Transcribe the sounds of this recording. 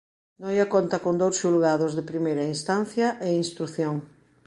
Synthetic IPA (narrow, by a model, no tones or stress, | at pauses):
nojakont̪ɐkond̪owsʃulɣaðozðepɾimejɾɐinst̪anθjɐʔeinst̪ɾuθjoŋ